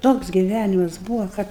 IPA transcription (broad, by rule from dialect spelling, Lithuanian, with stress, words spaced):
ˈtoːks ɡʲɪˈʋʲænʲɪmɐs ˈbuːʋoː kɐt